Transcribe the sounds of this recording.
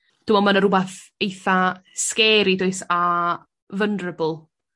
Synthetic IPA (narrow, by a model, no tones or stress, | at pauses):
d̥umɔmanəɾʊbaθejθaskɛːɾidoɨsa | vəndrəbʊlˠ